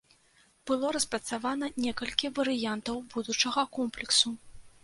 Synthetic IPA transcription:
b̥ɨlˠɔɾɐspɾɐt̪savanɐnʲɛkɐlʲkʲivɐɾɨjant̪ɐwbud̪ut͡ʂɐɣɐkɔmplʲɛksu

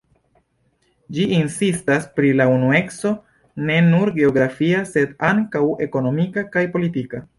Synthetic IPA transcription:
d͡ʒiinsistaspɾilaunue̞kso̞ | ne̞nuɾɡe̞o̞ɡɾafiase̞daŋkawe̞ko̞no̞mikakajpo̞litika

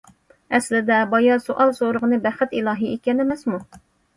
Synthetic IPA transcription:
ɛslɪd̪ɛbɑjɑsoʔɑlˠsoɾəʁənɨbæχɪt̪ilˠɑːɦiekʲɛnemɛsmu

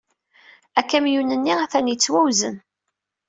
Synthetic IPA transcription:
ækːæmjunənːiæθænjət͡sːwæwzən

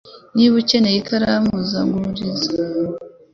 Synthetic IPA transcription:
niβucenejikʰaɾamuzaŋɡuɾiza

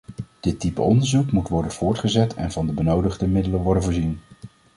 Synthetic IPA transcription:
d̥ɪtipə̰ɔndəɹzukmutʋɔɹdənv̥ʊːɹtχəzɛtʰɛ̰nvɑndəbənowdəχdəmɪdələʋɔɹdənvʊːɹzin

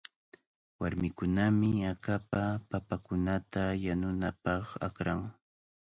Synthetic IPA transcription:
waɾmɪkʊnamɪakapapapakʊnat̪ajanʊnapɑχa̰kɾaŋ

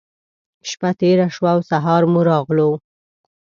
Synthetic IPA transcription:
ʃpat̪eɾaʃwawsaɦɑɾmuɾɑɣlo

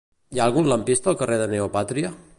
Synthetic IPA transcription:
jaːlˠɣunləmpist̪əːlˠkəreðəneopat̪ɾiə

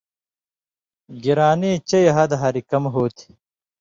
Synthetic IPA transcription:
ɡiɾaːneːt͡ɕɐjɐɦɐd̪ɐɦɐɾikɐmɦoːt̪ʰi̥

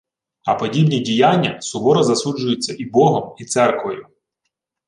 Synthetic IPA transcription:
ɐpɔdʲibnʲidʲijanʲːɐsʊbɔɾɐzɐsud͡ʒʊjʊt͡sʲːɐʔibɔɦɔmit̪sɛrkʋɔjʊ

